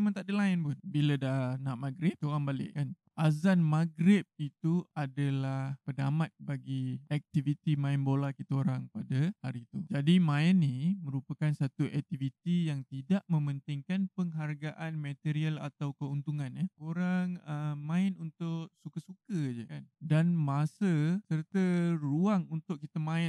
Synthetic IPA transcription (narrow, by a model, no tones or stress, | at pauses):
emãnt̪aʔdəlaɪnpʊnbilədahnaʔmaɡɾɪpt̪oɾaŋbalɪ̰ʔkan | ʔazanmaɡɾɪp̚it̪uadalahpənamat̪̚baɡiɛk̚t̪ivit̪imãɪnbolakit̪əoɾaŋpadəhaɾit̪ud͡ʒadimaɪnːimə̃ɾupakansat̪uʔɛk̚t̪ivit̪ijaŋt̪idaʔmə̃mənt̪ɪŋkanpəŋɦarɡaʔanmət̪iɾiəla̰t̪awkəunt̪uŋanəoɾaŋəmãɪnunt̪ʊʔsukəsukəd͡ʒəkandanmasəsərt̪əruaŋunt̪ʊʔ̚kːit̪amãɪn